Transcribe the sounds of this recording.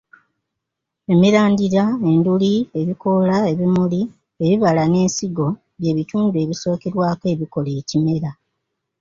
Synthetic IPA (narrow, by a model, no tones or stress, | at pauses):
e̞miɾaːndiɾae̞ndulie̞βiko̞lae̞βimuli | e̞βiβalane̞ːnsiɡo̞ | βje̞ːβituːndue̞βiso̞ːkeɾwaːke̞ːβiko̞le̞ːcime̞ɾa